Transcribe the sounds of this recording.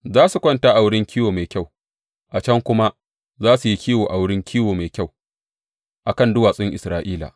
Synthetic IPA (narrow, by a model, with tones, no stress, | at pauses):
zaː˦su˨kʷɐ˦nta˦ʔa˨wʊ˦ɽɪ˦ŋkʲiː˦woː˨ma˨jkʲa˦˨w | ʔa˨t͡ʃɐ˦ŋkʷʊ˦ma˦ | zaː˦su˨ji˦kʲiː˦woː˨ʔa˨wʊ˦ɽɪ˦ŋkʲiː˦woː˨ma˨kʲa˦˨w | ʔa˨kɐ˦˨ndʊ˦waː˨sʼɪ˦ŋʔɪ̰˨sɾaː˦ʔiː˦la̰˨